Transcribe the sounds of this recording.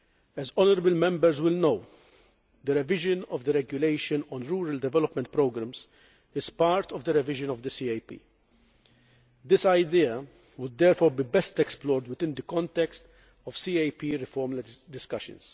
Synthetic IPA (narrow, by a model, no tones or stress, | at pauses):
ɛzɔnɔɾəbəlmɛ̃mbɛɾzwɪlnow | d̪əɾɛvɪʒənɔvd̪əɾɛɡjʊleɪʃənɔ̃nɾuːɾɐld̪ɛvɛlɔpmɛ̃nt̪̚pɾoːɡɾɐmz | ɪz̥paːɾt̪ɔvd̪əɾɛvɪʒə̃nɔvd̪əsiːejpḭː | d̪ɪsaɪd̪iɐ | wʊd̪ːɛːɾfɔːɾbiːbɛst̪ɛksplɔːɾd̪wɪd̪ɪ̃nd̪əkɔ̃nt̪ɛkst̪ | ɔvsiːeɪpiɾɪfɔɾmld̪ɪskɐʃə̰̃ns